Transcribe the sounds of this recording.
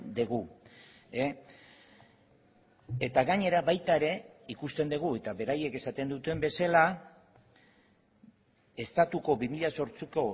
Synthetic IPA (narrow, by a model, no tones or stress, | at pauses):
d̪eɣu | e | et̪aɣaɲe̞ɾaβajt̪aeɾe̞ikust̪e̞nd̪eɣ̞ue̞t̪aβe̞ɾaje̞ke̞sat̪e̞nd̪ut̪e̞mbe̞sala | e̞st̪at̪uko̞βimiʎaso̞ɾt͡siko̞